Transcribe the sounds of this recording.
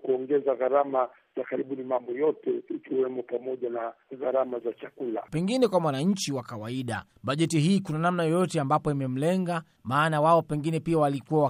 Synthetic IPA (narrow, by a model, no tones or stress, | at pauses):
kuɔŋɡɛzaɣaɾama | zakaɾiɓunimambɔjɔtɛikiwɛmɔpamɔʄanaɣaɾamazat͡ʃakula̰pɛŋɡinɛkwamwanaɲ̩t͡ʃiwakawaiɗa̰ | ɓaʄɛtiɦiːkunanamnajɔjɔtɛambapɔimɛm̩lɛŋɡa | maːnawaɔpɛŋɡinɛpiawalikuwawa